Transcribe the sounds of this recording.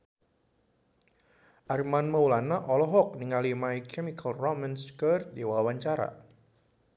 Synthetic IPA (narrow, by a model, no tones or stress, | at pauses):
ʔarmanməulanaʔɔlɔɦɔk̚niŋalimaikʰɛmikʰalrɔmanskərt̪̚diwawaɲt͡ʃaɾa̰